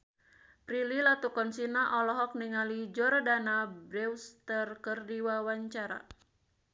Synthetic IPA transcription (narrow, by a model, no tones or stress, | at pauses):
pɾililat̪ukɔnsinaʔɔlɔɦɔk̚niŋalid͡ʒɔɾadanabɾɛwst̪ərkɨrdiwawaɲt͡ʃaɾa̰